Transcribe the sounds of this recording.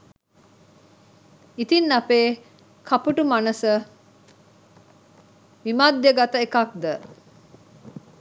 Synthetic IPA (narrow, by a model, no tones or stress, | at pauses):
it̪inːɐpeː | kʰɐpuʈumanəsə | ʋimad̪jeɡat̪əekak̚d̪ə